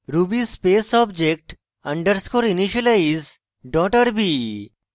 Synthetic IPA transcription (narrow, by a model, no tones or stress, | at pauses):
ɾubispesɔbd͡ʑek̚ʈ | ɐ̃ɳɖəɾskoɾiniʃəlaiz | ɖɔʈəɾbi